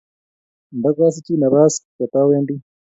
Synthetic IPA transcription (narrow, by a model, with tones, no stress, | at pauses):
nda˦kʷaː˦s̬i˦t͡ʃi˦nɐ˨βaː˦ska˨t̪a˦we˦ndi˦